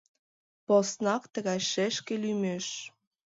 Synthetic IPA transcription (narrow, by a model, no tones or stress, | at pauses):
posnɑkt̪ə̆ɣɑjʃeʃkelymeʃ